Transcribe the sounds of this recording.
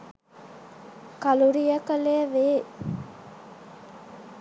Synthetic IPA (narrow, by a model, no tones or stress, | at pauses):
kɐluɾijəkəleəʋeː